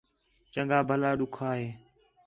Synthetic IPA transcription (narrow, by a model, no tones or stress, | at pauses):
t͡ʃəŋɠaːbʱəlaːɗʊkʰaːɦeː